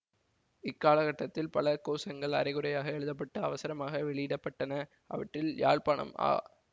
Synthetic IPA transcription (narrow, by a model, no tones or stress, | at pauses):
ɪkːaːlɐɣɐʈːɐt̪ːɪlpɐlɐkoːsɐŋɡɐɭɐ̰ɾɐɪɣɯɾɐjaːɣɐɛɻɯðɐp̬ːɐʈːɐɐʋɐsɐɾɐmaːɣɐʋɛɭɪjɪɽɐpːɐʈːɐnɐ | ʔɐ̰ʋɐʈrɪlja̰ːɻpaːɳɐ̰ma̰ː